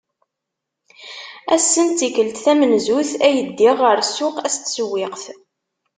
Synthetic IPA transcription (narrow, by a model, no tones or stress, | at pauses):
æsːənt̪ːikəlt̪θæmənzuθæjəd̪ːiʁəɾsʊqæst̪səwːɪqθ